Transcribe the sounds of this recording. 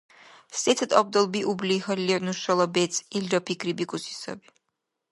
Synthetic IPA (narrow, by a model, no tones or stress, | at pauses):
sʼɛt̪ʰt̪ʼɔb̚d̪ɔlˠbiʔublixɔlːɛnuʃɔlˠɔbɛt̪sʰʼilɾɔpʰikʰɾibikʰʼusi̥sɔ̰bi